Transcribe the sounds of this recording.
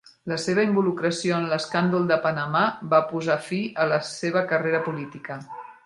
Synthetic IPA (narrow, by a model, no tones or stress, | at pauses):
ləseβ̞əimbulukɾəsioənləskand̪ulˠd̪əpənəmabapuzafiələseβ̞əkəreɾəpulit̪ikə